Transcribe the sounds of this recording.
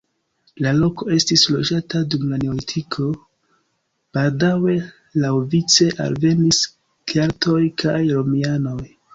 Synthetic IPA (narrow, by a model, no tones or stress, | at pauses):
lalo̞ko̞e̞stislo̞d͡ʒatadumlane̞oitʰikʰo̞ | b̥aldawe̞ | lawvit͡se̞ʔa̰lve̞nis | kaɾtʰo̞jkʰajɾomiano̞j